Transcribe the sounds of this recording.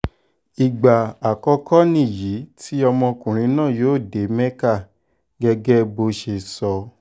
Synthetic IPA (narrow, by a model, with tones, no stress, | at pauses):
i˨ɡ͡ba˨a˨kɔ˧˦kʰɔ˦nĩ˦˨ji˨˦ti˦ɔ˧mɔ̃˧kũ˨ɾ̃ĩ˧˦nãː˦˨joː˨˦˨de˨˦mɛ̃˦ka˦˨ | ɡɛ˧ɡɛ˦bo˧ʃe˧sɔ˧